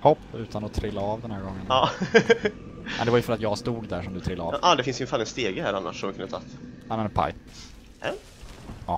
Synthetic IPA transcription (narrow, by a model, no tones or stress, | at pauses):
hɔpːʉ̟ːt̪ʰanɔt̪ʰɾɪlːaɑvd̪ɛnhæːɾɡɔŋːənɑː | mɛ̰nd̪ɛvajɵfœɾat̪jɑːst̪uːɡd̪æʂɔmd̪ɵt̪ʰɾɪlːaɑ̰ːvʔɑːd̪ɛfɪnsɪnfalːɛt̪st̪eːɡəhæːɾanːa̰ʂɔmvɪkʰɵnət̪ʰɑ̰t̪ːamɛnpʰa̰j | ɛ | ɑː